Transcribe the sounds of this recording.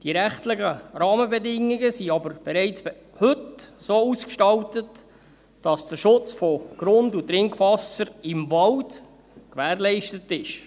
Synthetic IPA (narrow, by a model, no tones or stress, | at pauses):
d̥iɾæχtlɪχəɾɑːməbɛdɪŋːɪɡəsiɑbəɾb̥ɛɾɛɪt͡sb̥ | hɵtsoːuskʃtɑltət | d̥ɑsd̥əɾʃʊt͡sfɔɡ̥ɾʊndutɾɪŋkvɑsəɾɪmvɑld | kʋæːɾlɛɪʃtətɪʃ